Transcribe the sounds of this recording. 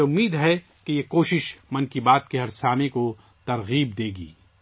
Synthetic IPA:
ʊmːiːd̪ɦɛ | kejekoːʃɪʃmɐnkibaːt̪̚keɦɐɾsaːmẽko | t̪ɐɾɣiːb̚d̪eːɡḭː

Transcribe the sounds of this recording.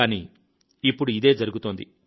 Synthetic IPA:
aːni | ipːuɽuid̪e̞ːd͡ʒɐɾuɡut̪oːnd̪ḭ

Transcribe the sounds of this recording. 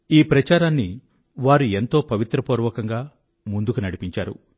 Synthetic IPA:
iːpɾɐt͡ʃaːɾaːnːi | ʋaːɾue̞nt̪o̞ːpɐʋit̪ɾɐpuːɾʋɐkɐŋɡaː | mund̪ukunɐɽipiɲt͡ʃaːɾṵ

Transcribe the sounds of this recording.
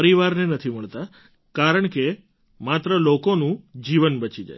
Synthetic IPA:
ɾiʋaɾnenət̪ʰiməɭt̪a | kaɾəɳ̃ke | mat̪ɾəlokonũd͡ʒiʋənbət͡ʃid͡ʒa̰j

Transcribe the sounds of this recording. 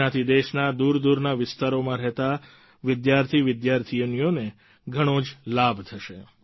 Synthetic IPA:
at̪ʰid̪eʃnad̪uɾd̪uɾnaʋɪst̪aɾomãɾɛɦt̪a | ʋɪd̪jaɾt̪ʰiʋɪd̪jaɾt̪ʰijənijone | ɡʱəɽ̃od͡ʒlabt̪ʰəʃe

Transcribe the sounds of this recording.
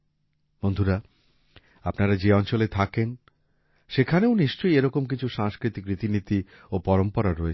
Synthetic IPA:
mond̪ʱuɾa | apnaɾad͡ʑeɔnt͡ɕolet̪ʰaken | ʃekʰaneoniʃt͡ɕojeɾɔkomk̬it͡ɕʰuʃaŋskɾit̪ikɾit̪init̪i | opɔɾompoɾaɾɔe

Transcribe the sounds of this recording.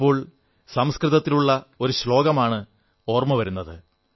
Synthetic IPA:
pːo̞ːɭ | sɐmskrɨðɐt̪ːiluɭːɐo̞ɾuɕlo̞ːɡɐmaːɳɨ | o̞ːrmɐʋɐɾunːɐðɨ

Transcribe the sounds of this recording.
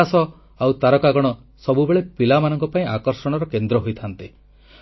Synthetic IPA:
asɔ | awt̪aɾɔkaɡɔɽ̃ɔ | sɔbubeɭepilamanɔŋkɔpaĩakɔɾsɔɽ̃ɔɾɔkend̪ɾɔɦojt̪ʰant̪i

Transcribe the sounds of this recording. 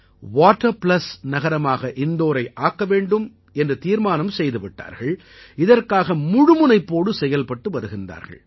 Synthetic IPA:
ʋaːʈːɐɾplɐsnɐɣɐɾɐmaːɣɐʔɪnd̪oːɾɐɪʔaːkːɐʋeːɳɖɯm | ɛndrɐt̪iːɾmaːnɐmsɛjðɯʋɪʈːa̰ːɾɣɐɭ | ɪðɐrkaːɣɐmʊɻʊmʊnɐɪpːoːɽɯsɛjɐlpɐʈːɯʋɐɾɯɣɪndra̰ːɾɣɐ̰ɭ

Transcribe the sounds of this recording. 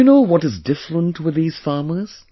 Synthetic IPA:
ɨnoʊwʌɾɨzdɪfɹə̃ntʰwɨðiz̥fɑɹmə˞z̥

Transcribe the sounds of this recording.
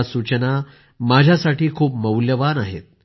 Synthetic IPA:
sut͡ɕəna | mad͡ʑʱjasaʈiːkʰuːpməwljəʋanaɦḛt̪̚

